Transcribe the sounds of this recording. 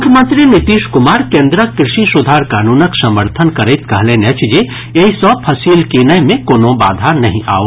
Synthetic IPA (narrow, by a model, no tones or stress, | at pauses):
ʊkʰːjəmə̃nt̪ɾinɪt̪iːʃkʊmaːɾkẽːnd̪ɾəkɾɪʃisʊd̪ʱaːɾkaːnuːnəksɐməɾt̪ʰənkɐɾet̪kɐɦlẽnet͡ʃd͡ʒe | jeɦisɔpʰɐsiːlkeːnəjmẽkoːnõba̰ːd̪ʱaːɾnɐɦĩʔa̰ːo